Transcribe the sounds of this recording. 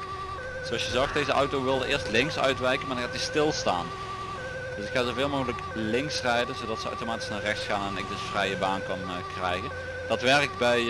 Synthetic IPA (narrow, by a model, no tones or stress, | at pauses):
z̥owɑlsjəzoɑx̚d̥ejzəʔɑ̰wtowʋɪlˠdəʔɪːɹstlɪŋksœ̰ɥtʋɛjkənmaːdɑnxaːtistɪlˠsta̰ːn | d̥əsɪkxaːzovɪːlˠmoːɣələk | lɪŋksrɛjdənzowdɑtsəa̰wtomaːti̥snaːrɛxtsxaːnɛnɪɡ̚dɵsfrɛjəbaːnkɑn | krɛjɣən | d̥ɑtʋɛrk̚tbɛj